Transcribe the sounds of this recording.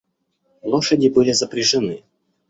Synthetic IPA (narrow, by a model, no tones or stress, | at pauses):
lˠoʂədʲɪbɨlʲɪzəpɾʲɪʐɨnɨ